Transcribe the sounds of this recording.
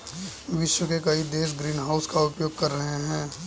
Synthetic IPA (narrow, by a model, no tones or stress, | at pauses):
ʋɪʃwəkekɐid̪eːʃ̬ɡɾiːnɦaʊskaʊpjoːɡ̚kɐɾːɐɦeɦɛ̃ː